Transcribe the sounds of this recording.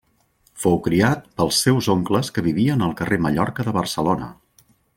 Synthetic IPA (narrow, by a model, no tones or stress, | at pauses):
fowkɾiat̪̚pəlˠsːɛwzoŋkləskəβiβiənəlˠkəreməʎɔrkəðəβərsəlonə̰